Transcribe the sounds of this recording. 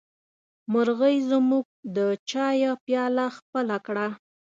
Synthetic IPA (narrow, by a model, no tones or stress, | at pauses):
məɾɣəjzəmuɡ̚d̪ət͡ʃɑjapjɑlaxpəlakɽa